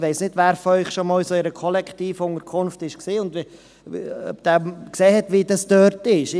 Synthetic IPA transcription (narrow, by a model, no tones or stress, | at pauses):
ʋɛɪsnɪdʋæːɾfɔœʏχʃomɑːlsoːɪɾəkʰɔlɛkʰtiːfʊŋəɾkʰʊnftɪʃksiːʊnd | œ̰bd̥æːkseːɦɛtʋidɑstøːɾtɪʃ